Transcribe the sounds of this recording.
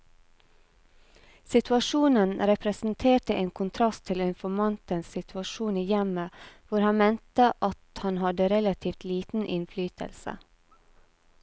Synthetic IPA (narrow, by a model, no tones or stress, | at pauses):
sɪt̪ʰʋɑʃuːnənɾɛpʰɾɛsn̩t̪ʰeːʈəʔeːŋkʰʊnt̪ʰɾɑst̪ʰɪlʏnfɔɾmɑnt̪ənssɪt̪ʰʉɑʃuːniːjɛməʋʊɾhɑnmeːnt̪əʔɑt̪hɑnhɑd̪əɾɛlɑt̪ʰiːft̪liːt̪n̩ʔɪnflyːt̪ʰə̰lsə̰